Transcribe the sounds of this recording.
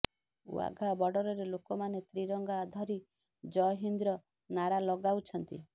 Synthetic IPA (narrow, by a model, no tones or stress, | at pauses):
w̰a̰ɡʱabɔɖɔɾɔɾelokɔmanet̪ɾiɾɔŋɡaːd̪ʱɔɾi | d͡ʒɔɦind̪ɾɔ | naɾalɔɡawt͡ʃʰɔnt̪ḭ